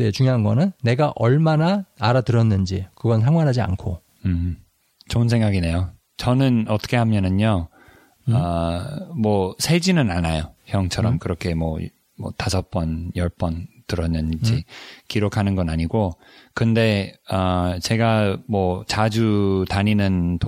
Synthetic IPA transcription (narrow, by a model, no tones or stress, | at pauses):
det͡ɕuŋjoɦanɡʌnɯnːe̞ɡaʔʌɭmanaaɾatɯɾʌnːɯnd͡ʑikɯɡʌnsʰaŋwanɦad͡ʑia̰nkʰo | ɯ | t͡ɕonsʰeŋɡaɡine̞jo | t͡ɕʌnɯnʌt͈ʌ̥kʰe̞hamjʌnɯɲo | ʌ | mwʌsʰed͡ʑinɯnanajoçjʌŋt͡ɕʰʌɾʌmkɯɾʌkʰe̞mwʌ | mʌ̰tasʰʌp͈ʌnjʌɭp͈ʌntɯɾʌnːɯnd͡ʑikiɾokʰanɯnɡʌnaɲiɡo | kɯnde̞ʌt͡ɕe̞ɡamwʌt͡ɕad͡ʑutaɲinɯnt